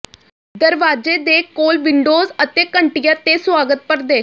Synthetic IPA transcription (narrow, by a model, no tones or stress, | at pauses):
d̪əɾʋaːd͡ʒeːd̪eːkoːlʋɪɳɖoːzət̪eːkəɳʈɪjãːt̪eːsʋaːɡət̪̚pəɾd̪eː